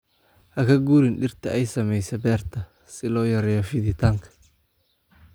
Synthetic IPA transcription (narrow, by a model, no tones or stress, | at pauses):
hɐkʰɐɡuːɾɪnɖɪrt̪ʰɐʔɛjsɐmɛjsɐbɛːrt̪ʰɐ | sɪlɔːjɐɾɛjɔfɪðɪt̪ʰaːŋkʰɐ̥